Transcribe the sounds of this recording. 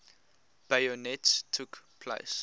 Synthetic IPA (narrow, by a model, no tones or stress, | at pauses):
b̥ajɔnɛtstʰukpʰlḛɪs